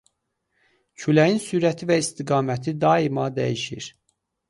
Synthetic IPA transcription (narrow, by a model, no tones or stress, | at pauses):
cʰylæjinsyːɾæt̪ʰivæist̪iɡɑːmæt̪ʰid̪ɑimɑd̪æ̰jiʃḭɾ